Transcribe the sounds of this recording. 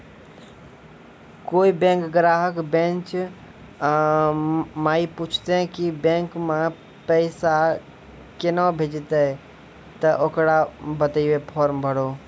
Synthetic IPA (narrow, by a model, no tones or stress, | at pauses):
koːibẽːŋkɡɾaːɦəkbẽːnt͡ʃ | maːipuːt͡ʃʰt̪ẽkibẽːŋkmã | pəɪsa | kɪnabʱed͡ʒt̪e | t̪əʔokɽabət̪iʋepʰɔːɾmbʱəɽoː